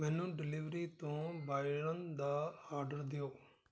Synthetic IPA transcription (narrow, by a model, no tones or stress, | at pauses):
mɛːnũːɖɪlɪːʋɾiːt̪õːbaːɪɽənd̪aːaːɾɖəɾd̪ɪjoː